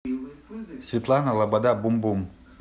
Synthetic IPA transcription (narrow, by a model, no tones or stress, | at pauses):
sʲvʲɪt̪lˠanəlˠɐbad̪abumbum